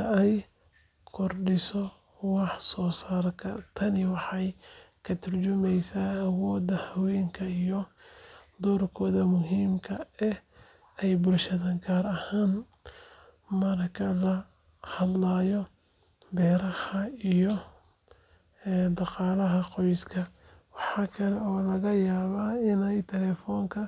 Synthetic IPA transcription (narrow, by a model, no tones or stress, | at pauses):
ɐɛj | kʰɔrɖɪsɔ | wɑħsɔːsaːrkʰɐt̪ʰɐnɪwɑħɑjkʰɐt̪ʰɐrt͡ʃʊmɛjsaːwɔːd̪ɐhɐwɛjŋkʰɐijɔ | d̪ɔːrkʰɔːðɐmʊɦiːmkʰɐɛ | ɛjbʊlʃɐðɐɡaːɾɐhaːn | mɐɾɐkʰɐlɐ | hɐd̪laːjɔ | bɛːɾɐhɐijɔ | ɛːd̪ɑqɑːlɐɦɐqɔjskʰɐ | wɑħɑːkʰɐlɛɔːlɐɣɐjaːβaːɪnɛjt̪ʰɛlɛːfɔːŋkʰɐ